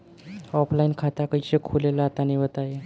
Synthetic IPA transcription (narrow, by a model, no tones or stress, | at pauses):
ɔpʰlainkʰat̪akəit͡ɕekʰulelaat̪aniʋət̪aje